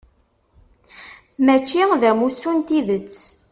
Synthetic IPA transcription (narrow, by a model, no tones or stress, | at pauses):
mæt͡ʃːiðæmusunt̪iðət͡sː